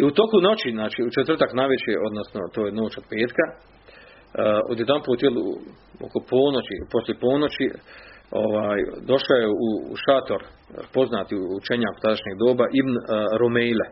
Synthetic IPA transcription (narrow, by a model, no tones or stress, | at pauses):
iut̪o̞kuno̞t͡ɕiznaːt͡ʃiut͡ʃet̪ʋr̩t̪aknajʋet͡ɕeʔo̞d̪nosno̞t̪oːjeno̞ːt͡ʃo̞d̪̚peːt̪ka | od̪jed̪anmpot̪jelu | o̰kopoːnot͡ɕipo̞sljepo̞ːno̞t͡ɕi | o̞ʋaːjd̪o̞ʃajeṵʃat̪o̞ɾpo̞znaːt̪iuːt͡ʃeɲaːku̥t̪ad̪aʃɲeːɡd̪o̞ːbaʔibnɾomejle